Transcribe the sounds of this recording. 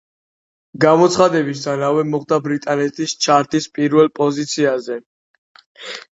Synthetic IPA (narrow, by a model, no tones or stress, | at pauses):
ɡamɔt̪sʰχad̪ɛbist̪ʰanavɛmɔχd̪abɾit̪ʼanɛt̪ʰist͡ʃʰaɾt̪ʰispʼiɾvɛlpʼɔzit̪sʰiazɛ